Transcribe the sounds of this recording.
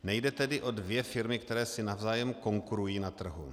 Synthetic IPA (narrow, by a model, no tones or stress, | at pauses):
nɛjdɛt̪ɛdɪʔo̞dvjɛfɪɾmɪkt̪ɛɾɛːsɪnavzaːjɛmko̞ŋkuɾujiːnat̪r̩ɦṵ